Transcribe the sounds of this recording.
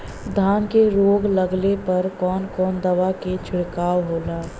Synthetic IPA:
d̪ʱaːnkeɾoːɡləɡlepɐɾkɔːnkɔːnd̪ɐʋaket͡ʃʰʊɽkaːwɦoːlaː

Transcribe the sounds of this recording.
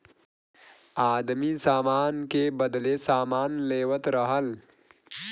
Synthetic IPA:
aːd̪misaːmaːnkebəd̪lesaːmaːnleːwət̪ɾəɦəl

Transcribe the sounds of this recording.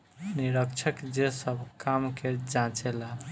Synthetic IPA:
niɾəkt͡ʃʰəkd͡ʒesəbʱkamked͡ʒãt͡ʃela

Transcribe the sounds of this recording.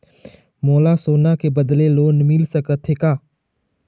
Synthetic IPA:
moːlasoːnakebəd̪leloːnmɪlsəkət̪ʰːeːkaː

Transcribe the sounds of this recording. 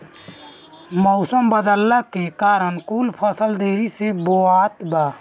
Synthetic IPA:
mɔʊsəmbəd̪əlːəkekaɾənkulpʰəsəld̪eɾiseboat̪ba

